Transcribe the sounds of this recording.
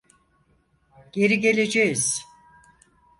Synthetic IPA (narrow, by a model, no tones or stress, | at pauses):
ɟ̥e̞ɾiɟe̞lʲe̞d͡ʒejiz̥